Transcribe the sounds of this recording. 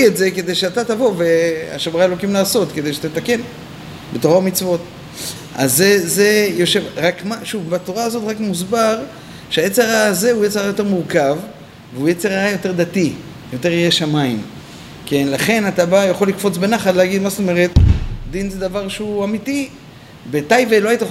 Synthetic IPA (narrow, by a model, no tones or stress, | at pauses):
etze̞ke̞d̪e̞jʃeat̪at̪avo̞vea̰ʃamʁaelo̞kimlaːso̞t̪ked̪e̞jʃḁaet̪ake̞n | bet̪oʁamit͡svo̞t̪ | a̰zezejo̞ʃe̞vʁakmaʃuvbat̪oʁaːzo̞t̪ʁakmusbaʁ | ʃeajet͡seʁaze̞ujet͡seajote̞ʁmuʁkav | veujet͡seʁaajo̞te̞ʁd̪ati | jo̞te̞ʁijeʃamaim | ke̞nlaχe̞natabajaχolːikfo̞t͡sbe̞naχatlehaɡid̪maset̪ome̞ʁet̪d̪inzed̪avaʁʃeuamiti | betajveloajit̪a